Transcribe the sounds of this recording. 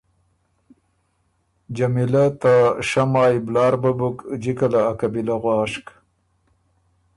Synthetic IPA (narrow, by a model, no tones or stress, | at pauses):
d͡ʒamilat̪aʃamɑːjblɑːɾbabukd͡ʒikalaːkabilaɣwɑːʂk